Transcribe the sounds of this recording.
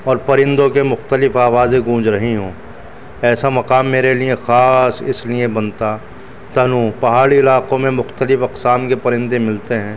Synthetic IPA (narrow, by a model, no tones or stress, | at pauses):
ɔːɾpɐɾɪ̃nd̪õkemʊxt̪əlɪfaːʋaːzẽɡũːd͡ʒɾɐɦiɦõː | ɛːsamɐqaːmːeːɾelijẽxaːsɪ̰sliẽbɐnt̪a | t̪ɐnũːpɐɦaːɽiɪlaːqõmẽmʊxt̪əlɪfɐqsaːmkepɐɾɪ̃nd̪emɪlt̪eɦɛ̃ː